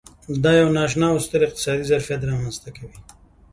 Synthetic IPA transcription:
d̪ɑjawnɑʃ̬nɑwst̪əɾɪq̚t̪ɪ̥sɑd̪izaɾfijat̪̬ɾɑmanzt̪akawi

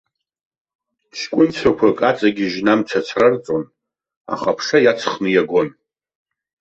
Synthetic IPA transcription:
t͡ʃʰkʷʼʊnt͡sʷʰakʷʰakʼat͡sʼaɡʲiʒnamt͡sʰat͡sʰrart͡sʼon | a̰χapʰʂajat͡sʰχmijaɡʷon

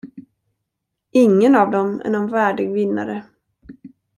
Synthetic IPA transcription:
ɪŋːənavd̪ɔmɛ̰nɛnvæːɖɪɡvɪnːa̰ɾə

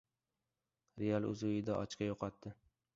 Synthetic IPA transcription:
ɾejalˠʊ̰zʊɪd̪aʔɒ̰t͡ʃkʲajoqʰɒt̪ːɪ

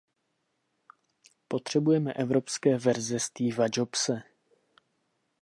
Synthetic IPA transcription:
po̞t̪r̝̥ɛbujɛmɛʔɛvɾo̞pskɛːvɛɾzɛst̪iːvad͡ʒopsɛ

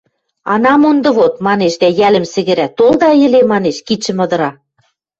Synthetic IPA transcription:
ɑnɑmund̪ɤ̆βot̪mɑneʃd̪æjælɘ̆msɘ̆ɣɘ̆ɾæt̪old̪ɑjɘ̆lemɑneʃkit͡ɕɘ̆mɤ̆d̪ɤ̆ɾɑ

